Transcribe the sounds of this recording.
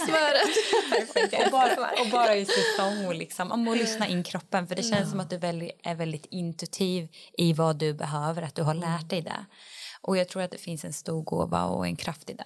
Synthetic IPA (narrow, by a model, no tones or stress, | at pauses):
smœːɾət̪hfɛkːaɔbɑːɾaa̰ɔbɑːɾaɪsɪsɔŋːɔlɪksɔmʔɔmɔlʏsnaʔɪnːɪkʰɾɔpːənfœɖɛɕɛnsːɔmat̪̚d̪ɵvɛld̪ɪʔæɾvɛld̪ɪt̪ɪnt̪ɵt̪ʰiːvɪvad̪ɵbɛɦøːvəɾat̪̚d̪ɵɦaɭæːʈ̚dɛjd̪ɛ̰ʔɔjɑːɡ̚t̪ʰɾuːɾat̪̚d̪ɛfɪnsɛnst̪uːɾɡo̰ːva̰ɔ̰ɛ̰nkʰɾaft̪ɪd̪ɛ̰